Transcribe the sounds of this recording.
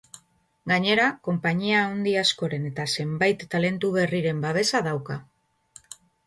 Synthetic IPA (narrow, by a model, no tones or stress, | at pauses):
ɡaɲe̞ɾako̞mpaɲiaond̪iasko̞ɾe̞ne̞t̪ase̞mbajt̪ːale̞nt̪uβe̞riɾe̞mbaβ̞e̞saðawka